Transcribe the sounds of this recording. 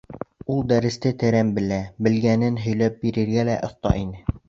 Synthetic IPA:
ulˠd̪æɾɘ̆st̪ɘt̪ɘ̆ɾæmbɘ̆læbɘ̆lɡænɘnɦɵ̆jlæp̚biɾɘ̆ɾɡælæʔŏθt̪ɑ̰ʔinɘ

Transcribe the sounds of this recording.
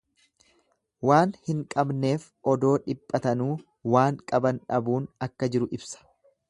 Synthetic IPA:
waːnhɪŋkʼɐbne̞ːf | ʔɔd̪o̞ːᶑɪpʼːɐt̪ɐnuː | waːŋkʼɐbɐnᶑɐbuːnɐkːɐd͡ʒɪɾʊʔɪbsɐ̥

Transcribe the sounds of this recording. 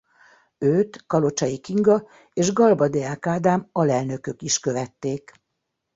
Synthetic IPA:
øːt̪kɒlo̞t͡ʃɒjikiŋɡɒ | eːʒɡɒlbɒd̪eaːkaːd̪aːmɒlɛlnø̞kø̞kiʃkø̞vɛt̪ːeːk

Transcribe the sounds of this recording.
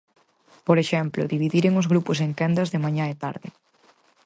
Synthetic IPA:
poɾeʃɛmplʊ̰ðiβiðiɾeŋʊzɣɾupʊseŋkɛnd̪ɐzðemãɲaet̪a̰ɾðɪ

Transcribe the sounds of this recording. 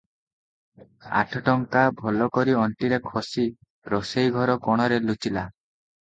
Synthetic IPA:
a̰ʈʰɔʈɔŋkabʱɔlɔkɔɾiɔɳʈiɾekʰɔsi | ɾosejɡʱɔɾɔkɔɽ̃ɔɾelut͡ʃila

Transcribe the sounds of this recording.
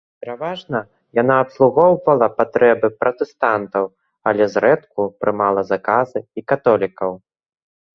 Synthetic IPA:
pʲɛɾavaʐnɐ | jan̪aːpslˠuɣɔwvɐlˠɐpat̪ɾɛbɨpɾɐt̪ɛst̪ant̪ɐw | alʲɛzɾɛt̪kupɾɨmalˠɐzakazɨikat̪ɔlʲikɐw

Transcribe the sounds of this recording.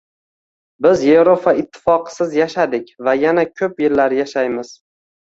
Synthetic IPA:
bɪzje̞vɾopʰaɪt̪ʰːɪ̥fɒqʰɨ̥sɪzjaʃad̪ɪkʲvajanakʲʰɵpjɪlːaɾjaʃajmɪz̥

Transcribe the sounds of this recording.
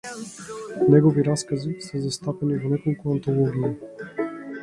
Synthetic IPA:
nɛɡoviɾaskəzisəzɐst̪apɛnivonɛkolˠkʊɐnt̪olˠɔɡʲiə

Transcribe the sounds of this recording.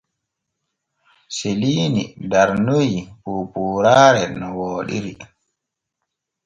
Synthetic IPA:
seliːnḭdaɾnojipuːpuɾaːɾɛnɔwɔːɗḭɾi

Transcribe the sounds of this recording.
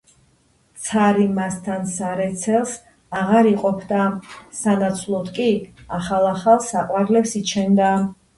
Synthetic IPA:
t̪sʰaɾimast̪ʰansaɾɛt̪sʰɛlˠs | aʁaɾiqʼɔpʰd̪asanat̪sʰlˠɔd̪kʼiaχalˠaχalˠsaqʼwaɾlɛpsit͡ʃʰɛnd̪a

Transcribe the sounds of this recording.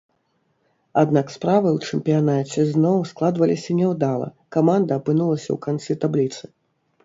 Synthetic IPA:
ad̪nakspɾavɨwt͡ʂɛmpʲijanat͡sʲɛznɔwsklˠad̪vɐlʲisʲɐnʲɛwd̪alˠɐ̰ | kamand̪ɐːpɨnulˠɐsʲɐ̰wkant̪sɨt̪ablʲit̪sɨ̥

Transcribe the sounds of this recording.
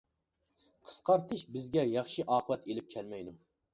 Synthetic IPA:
qʰə̥sqʰɑɾt̪ʰɨʃbɪzɡʲɛjɑχʃiʔɑːqʰəvɛt̪ʰelɪp̚kʲʰɛlmɛjd̪u

